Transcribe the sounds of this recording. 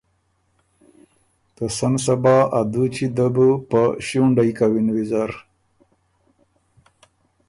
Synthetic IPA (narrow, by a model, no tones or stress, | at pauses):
t̪əsansabaad̪ut͡ɕid̪əbupəɕuɳɖajkawinwizaɾ